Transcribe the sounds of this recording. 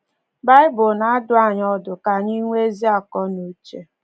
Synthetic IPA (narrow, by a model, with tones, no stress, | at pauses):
ba˦ɪ˦bʊ˨na˦a˦dʊ˨˦a˨ɲɔ˦dʊ˨ka˨ɲi˦ŋʷe˦zi˦a˨kɔ˦no˨˦t͡ʃe˨